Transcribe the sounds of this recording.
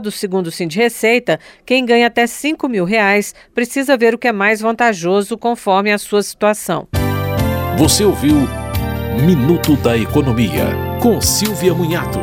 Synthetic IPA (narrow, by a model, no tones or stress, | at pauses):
d̪ʊsɪɡũnd̪ʊsĩd͡ʒɪhesejt̪ɐkẽj̃ɡɐ̃ɲɐat̪ɛsĩkʊmiwɦeajspɾesizɐveɾʊkɪɛmajzvɐ̃nt̪aʒozʊkõfɔɾmɪɐsuɐsi̥t̪uasɐ̰̃w̃ | voseowviw | minut̪ʊd̪ɐekonõmiɐ̰kõsiwviɐmũɲat̪ʊ̰